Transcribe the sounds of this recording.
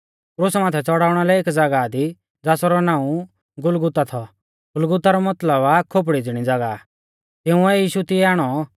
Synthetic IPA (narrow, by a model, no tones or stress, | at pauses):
kɾʊsmaːt̪ʰɛt͡sɔɽaːʊɽ̃alɛeːkd͡zɐɡad̪i | d͡zaːsɔɾɔnaːũ | ɡʊlɡʊt̪at̪ʰɔ | ɡʊlɡʊt̪aɾɔmɐt̪ləbakʰop̬ɽid͡zɪɽ̃id͡zɐɡa | t̪ɪũɛjiːʃut̪ɪɛaːɽ̃ɔ